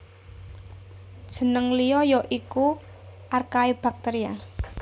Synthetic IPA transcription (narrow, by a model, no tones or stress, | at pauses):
d̥ʒ̥ə̤nəŋlijɔjɔʔiku | ʔarkaeb̥a̤k̚t̪eɾia